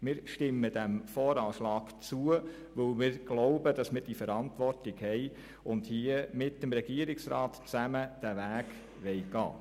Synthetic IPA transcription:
mɪːɾʃtɪmːəd̥æmfɔːɾɑːʃlɑːɡ̥t͡suə | ʋɵlmɪːɾɡ̥loʊbəd̥ɑsmɪːɾd̥ifɛɾɑntʋɔrtɪɡhɛɪ | ʊndhiəmɪtːəmɾɛɡ̥iəɾɪksɾɑ̰ːtt͡sæməd̥æʋæːɡ | ʋɛjɡɑ̰ː

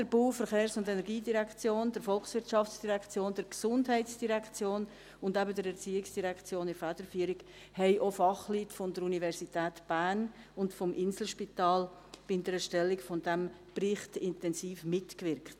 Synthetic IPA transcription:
d̥əɾbuːfəɾχeːɾsʊndenɛɾɡiːdiɾɛkt͡sjoːndəɾfɔlksʋɪɾtt͡ʃɑft͡sd̥iɾɛkt͡sjoːndəɾksʊndɦɛɪtsd̥iɾɛkt͡sjoːn | ʊndɛbədəɾɛɾt͡siːɪksd̥iɾɛkt͡sjoːnɪfæd̥əɾfyːəɾiɡ | hɛɪʔofɑχlyːtfɔndəɾunivɛɾsitɛːtb̥ænʊntfɔmʔɪnsl̩ʃpitɑːlb̥ɪndəɾɛʃtɛlːɪkfɔndɛmprɪχtɪntɛnsiːfmɪtkvɪɾkt

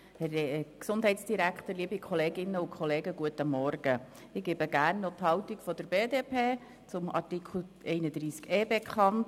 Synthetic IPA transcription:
hɛɾksʊnd̥ɦɛɪtsd̥iɾækχt̪əɾliəbikʰχɔleːɡɪnːəʊkʰχɔleːɡəɡuətəmɔɾɡ̥ə | ɪɡ̥eːbəɡæːrnːɔt̪hɑwtikfɔd̥̪əɾbeːdepʰeː | t͡sʊmɑ̰rtikʰl̩ʔɛɪnəd̥̪ɾiːskeːbekʰχɑnt

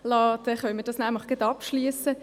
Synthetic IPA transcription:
lɑːd̪ɛχœnmədɑsnæmləχɡ̥əd̪ɑpʃliəsə

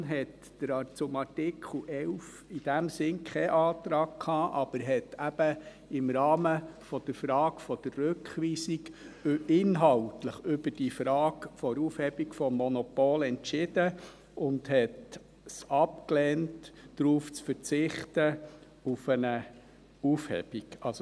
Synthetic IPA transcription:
ɦɛt | d̥əɾɑt͡sʊmɑtɪkʰl̩ʔɛlf | ɪd̥æmsɪnkʰχɛʔɑːt̪ɾɑːɡ̚kʰɑːʔɑb̥əɾɦɛtæb̥ə | ɪmɾɑːməfɔd̥əɾfɾɑːkfɔd̥ərːøkχʋiːsikɪnɦɑltləχʏbəd̥ifɾɑːkfɔɾuːfhɛbikfɔmːɔnɔpoːlɛntt͡ʃɪd̥ə | ʊndhɛt | sɑpklɛːntːɾuːft͡sfəɾt͡sɪχtə | ufənə | ufhɛ̰b̥iɡ̥ɑls

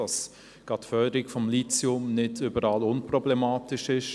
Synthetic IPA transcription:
ɑs | ɡ̥ɑtfœːdəɾɪkfɔmlit͡sɛʊmnɪdʏbəɾɑːlʊnprɔblɛmɑːtɪʃɪʃ

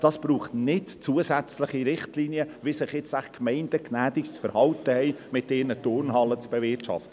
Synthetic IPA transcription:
d̥ɑsb̥ɾuːχtnɪtt͡suəsæt͡sləχiɾɪχtliːniəvɪsɪχjɪt͡sæχkmɛɪndəknæːd̥ɪkt͡sfəɾhɑwtəhɛɪmɪt̚deːnətʊɾnhɑlət͡sb̥evɪtʃɑ̰ftə

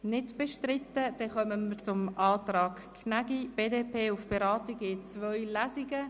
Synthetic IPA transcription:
nɪdb̥ɛʃtrɪtːəd̥ɛχœmənmət͡sʊmʔɑːtrɑːkʰnaɡib̥eːdeːpʰeːʊfb̥eɾɑːtiɡɪt͡svœʏlæziɡə

